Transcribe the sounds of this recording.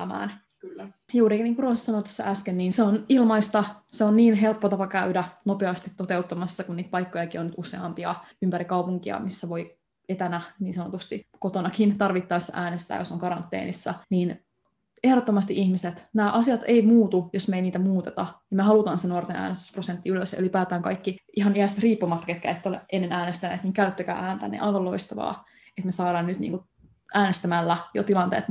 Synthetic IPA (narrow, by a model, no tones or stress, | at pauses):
mæ̰ːn | juːɾikniːŋkurosisɑnot̪usːɑ̰ʔæskenniːnseonilmɑist̪ɑseonniːnɦelpːot̪ɑpɑkæydænopeɑst̪it̪ːot̪e̞ut̪ːɑmɑsːɑkunniːt̪̚pɑjkːojɑkionyt̪useɑ̰mpiɑympæɾikɑupuŋkiɑ̰misːæʋo̞i | et̪ænæniːnsɑnot̪ust̪ikot̪onɑkint̪ɑrʋit̪ːɑesːɑ̰ʔæːnest̪æ̰ːjosoŋkɑɾɑnt̪ːḛːnisːɑniːn | ehɾot̪ːomɑst̪iʔihmiset̪næːʔɑsiɑt̪eimuːt̪ujosmeiniːt̪æmuːt̪et̪ɑjɑmeɦɑlut̪ɑnsenuort̪enʔæ̰ːnest̪y̥sprosent̪ːiyløsj̰ylipæːt̪æːŋkɑikːiiɦɑniæst̪riːpːomɑt̪ːɑket̪kæ̰et̪ːolʔenːenæːnest̪ænḛːt̪niːŋkæyt̪ːækæ̰ːʔæːnt̪æ̰nḛʔɑiʋɑloist̪ɑʋɑ̰ː | et̪mesɑːɾɑːnnyt̪nḭːŋku | æːnest̪æmælːæjot̪ilɑnt̪ḛːt̪